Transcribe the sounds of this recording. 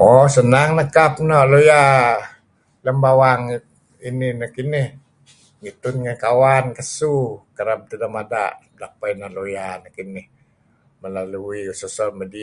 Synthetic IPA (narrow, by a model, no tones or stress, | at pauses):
ɔsənaŋnəkap̚nɔʔloja | ləmbawaŋ | ininəkinɪh | ŋit̪unŋakawankəsukəɾab̚t̪idəmada̰ʔ | daʔ̚painahlojanəkinɪh | məlaluiusɔsɔmədi